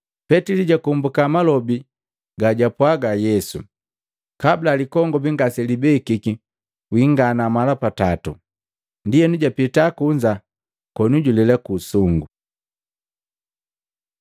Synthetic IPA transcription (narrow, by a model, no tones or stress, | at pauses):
pɛtiliɟakumbukamalɔbi | ɡaɟapwaɡajɛsṵ | kablalikɔŋɡɔbiŋɡasɛlibɛikiki | wiŋɡanamalapatatṵ | ndijɛnuɟapitakuɲd͡ʒa | kɔnuɟulɛlakusuŋɡu